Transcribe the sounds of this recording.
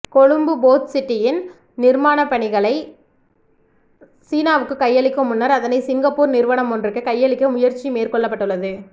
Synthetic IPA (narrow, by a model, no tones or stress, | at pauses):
kɔɻɯmbɯboːt̪sɪʈːɪjɪn | nɪɾmaːnɐpːɐɳɪɣɐɭɐɪ | siːnaːʋɯkːɯkɐjːɐɭɪkːɯmʊnːɐɾɐðɐnɐɪsɪŋɡɐpːuːɾnɪɾʋɐɳɐmɔndrɯkːɯkɐjːɐɭɪkːɐmʊjɐɾt͡ʃːimeːɾkɔɭːɐpːɐʈːɯɭːɐðɯ